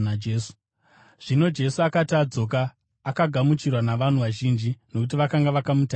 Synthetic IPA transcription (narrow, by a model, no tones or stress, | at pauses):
d͡ʒeːsu̥ | ʐ̥ino̞d͡ʒe̞suakatad͡zo̞k̬aː | kaɡʱamut͡ʃirwanaʋan̤uʋaʒiːnd͡ʒino̞kut̬iʋakaŋɡaʋakamuta